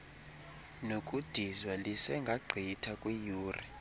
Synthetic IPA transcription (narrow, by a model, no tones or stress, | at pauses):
nokʼud̥ʱizwalisɛŋɡʱaɡ͡ǃʱitʰakʼwijuːri